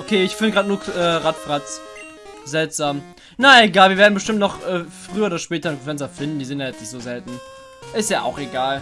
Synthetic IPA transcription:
ʔokʰeːɪçfɪndəɡʁaːdnuːɐkʔɛːʁatfʁat͡s | zɛltz̥aːm | naeɡaːlviɐveːɐdn̩bəʃtɪmtnɔχʔɛːfʁ̥yːɐoːdɐʃpɛːtɐɪfɛnsɐfɪndn̩diːzɪntjajɛt͡snɪçtz̥oːzɛltn̩ | ʔɪstjaːʔa̰ʊxeɡaːl

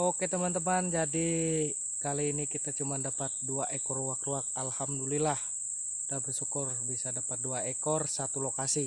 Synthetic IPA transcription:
oket̪əmant̪əmand͡ʒadi | kaliːnikit̪at͡ʃumandapat̪̚duaʔekɔrwakɾuak̚alhamdulilah | dabərsukʊrbisadapat̪̚duaekɔrsat̪ulokasi

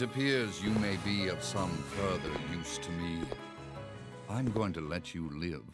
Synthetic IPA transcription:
ɨpʰɪɹzjɨmeɪbiʌv̥sʌ̃ɱfɜ˞ðə̰˞jʉstʰɨmi | ãɪ̃mɡoʊɪ̃ŋtʰɨlɛt͡ʃɨlɪv̥

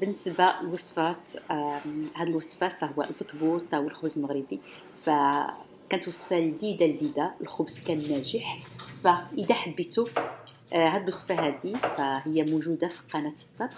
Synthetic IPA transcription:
bənːəsbalwɑsˤfæt̪ | hæd̪əlwɑsˤfæfæhʊwːæ̰lbət̪ˤbut̪ˤʔæwəlxʊbzəlməɣɾəbi | fæ | kænət̪wɑsˤfald̪id̪ald̪id̪alxʊbskænnːæʒəħfæʔəd̪æħabːət̪u | hæd̪əlwɑsˤfaɦæd̪ifæɦəjːæmuʒud̪afi̥qɑnæt̪ə̥d̪ːɑɾ

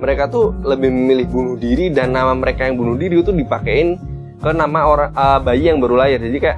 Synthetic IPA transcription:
məɾekat̪uləbɪhməmilɪhbunʊhdiɾidanːamaməɾekajaŋbunʊhdiɾit̪udipakeɪn | kənamaoɾaŋəbajijaŋbaɾulajard͡ʒadikajaʔ

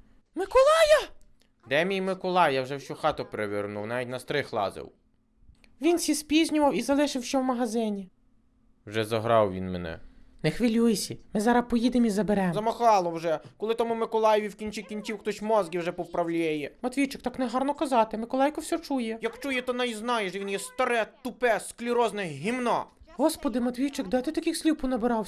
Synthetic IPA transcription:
mɪkɔlˠɑjɐ | d̪ɛmʲijmɪkɔlˠɑjawʒɛwʃʲɔxɑt̪ʊpɾeʋʲɪrnuwnɑʋʲitʲnɐst̪ɾɪxlˠɑ̰zɪ̰w | ʋʲinsʲispʲizʲnʲʊʋɐwizɐlˠɪʃɪwʃt͡ʃɛwmɐɦɐzɪnʲi | wʒɛzɐɦɾɑwʋʲḭnmenɛ̰nexʋɪlʲujesʲimɪzɑɾɐpɔjid̪emizɐbeɾɛmzɐmɐxɑlˠɔwʒɛkɔlˠɪt̪ɐmumɪkɔlˠɑjɔʋʲiwkʲinʲt͡ʃʲikʲinʲt͡sʲiwxt̪ɔsʲmɔzɡʲiwʒɛpɔwpɾɐwlʲɛjɛmɐt̪ʲʋʲijt͡ʃɪk̚t̪ɑknɛɦɑrnɔkɐzɑt̪ɪmɪkɔlˠɑjkɔwsʲɔt͡ʃujɛjɐkt͡ʃujɛt̪ɔnɑiznɑjɛʒɛʋʲinjɛst̪ɐɾɛt̪ʊpɛsklʲiɾɔznɛɦʲimnɔ̰ɦɔspɔd̪ɪmɐt̪ʲʋʲijt͡ʃɪkd̪ɑjt̪ɪt̪ɐkʲixsʲlʲipʊnɐbɪɾɑw

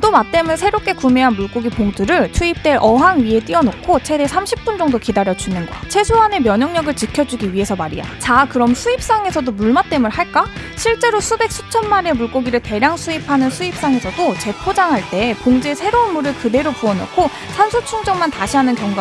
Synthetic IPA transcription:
domat̚t͈e̞mɯɭsʰe̞ɾop̚k͈e̞kumeɦanmuɭk͈oɡipoŋdɯɾɯɭt͡ɕʰuip̚t͈e̞ɾʔʌɦaŋɥie̞t͈iʌnokʰot͡ɕʰe̞desʰamɕʰip̚p͈und͡ʑʌŋdokidaɾjʌd͡ʑunɯnɡʌ̰t͡ɕʰe̞sʰoɦane̞mjʌɲʌŋɲʌɡɯɭt͡ɕikʰjʌd͡ʑuɡiɥiɦe̞sʰʌmaɾija̰t͡ɕakɯɾʌmsʰuip̚s͈aŋe̞sʰʌdomuɭmat̚t͈e̞mɯɭhaɭk͈a | ɕʰiɭt͡ɕ͈e̞ɾosʰube̞k̚s͈ʰu̥t͡ɕʰʌnmaɾe̞muɭk͈oɡiɾɯɭte̞ɾjaŋsʰuipʰanɯnsʰuip̚s͈aŋe̞sʰʌdot͡ɕe̞pʰod͡ʑaŋɦaɭt͈e̞poŋd͡ʑe̞sʰe̞ɾounmuɾɯɭkɯde̞ɾopuʌno̰kʰo | sʰansʰot͡ɕʰuŋd͡ʑʌŋmantaɕʰiɦanɯnkjʌŋɡa

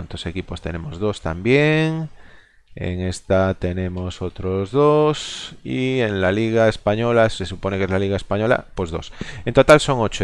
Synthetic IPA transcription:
nt̪ose̞kipo̞st̪e̞ne̞mo̞zðo̞st̪ambje̞ŋ | ḛŋe̞st̪at̪e̞nẽ̞mo̞so̞t̪ɾo̞zðosienlaliɣ̞aespaɲo̞lase̞supo̞ne̞ke̞zlaliɣae̞spaɲo̞la̰pwe̞zðo̞se̞nt̪o̞t̪also̞ŋot͡ʃo

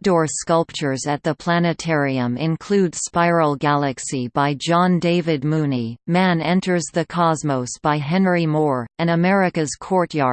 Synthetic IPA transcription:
dɔɹskʌlˠp̚t͡ʃə˞zɨt̪̚ðəpʰl̥ænɨtʰɛɹiɨ̃mɪ̃nkʰl̥ʉdspaɪɹl̩ˠɡælˠɨksibaɪd͡ʒɑ̃ndeɪvɨd̚mũnimæ̃nɛ̃ntʰə˞zðɨkʰɑzmoʊsb̥aɪɦɛ̃nɹimɔɹɨ̃ñəmɛɹɨkɨz̥kʰɔɹtjɑɹd

